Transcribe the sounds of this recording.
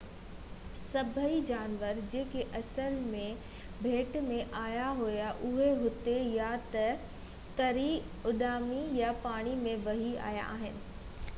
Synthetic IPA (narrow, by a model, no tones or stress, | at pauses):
sɐbʱəid͡ʑaːnʋəɾd͡ʑeːkeʔɐsəlmẽ | bʱeːʈmẽʔaːjaɦojaʔʊɦeɦʊt̪ejat̪ɐ | t̪ɐɾi | ʊɗaːmijapaːɽ̃imẽʋɐɦia̰ːja̰ʔaːɦɪnɪ̆